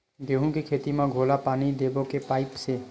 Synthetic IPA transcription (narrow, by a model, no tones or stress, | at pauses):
ɡeːɦũkikʰeːt̪imãɡʱoːlapaːnid̪eːbokepaːɪpse